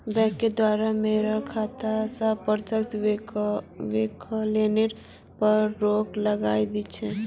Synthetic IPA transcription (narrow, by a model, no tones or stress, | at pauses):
bɛ̃kːed̪waːɾameɾakʰat̪asəpəɾt̪ʰək̚t̪ | ʋekleneɾ | pəɾːokləɡaːid̪it͡ʃʰɛ